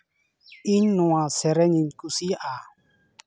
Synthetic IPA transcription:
iɲnũãsɛɾɛɲiɲkusia

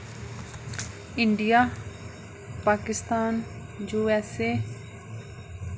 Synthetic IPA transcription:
ɪɳɖijaː | paːkɪst̪aːn | d͡ʒoːɛːseː

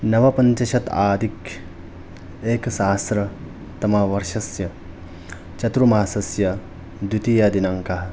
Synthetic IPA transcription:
nɐʋɐpɐɲt͡ʃɐʃɐt̪aːd̪ʱik | eːksaːsɾɐ | t̪ɐmaʋɐɾʃɐsjɐ | t͡ʃɐt̪ɾumaːsɐsjɐ | d̪ut̪ijɐd̪inaŋkaɦɐ

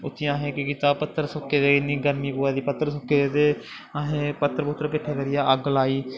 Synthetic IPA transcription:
ʊt̪ʰːɪjãːɦẽːkɪkit̪aːpət̪ːəɾsʊkːeːd̪eːɪnĩːɡəɾmiːpoːaːd̪iːpət̪ːəɾsʊkeːd̪eː | aɦẽːpət̪ːəɾpʊt̪ːɾkɪʈʰːeːkəɾɪjaːʔəɡlaːiː

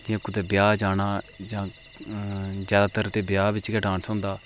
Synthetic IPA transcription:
d͡ʒãkʊd̪eːbɪjaːd͡ʒaːɽaːd͡ʒãː | zjaːd̪aːt̪əɾt̪eːbjaːbɪt͡ʃɡəʈãːɳsõːnd̪aː

